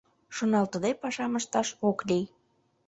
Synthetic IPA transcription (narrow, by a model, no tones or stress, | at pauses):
ʃonɑlt̪əd̪epɑʃɑməʃt̪ɑʃoklʲij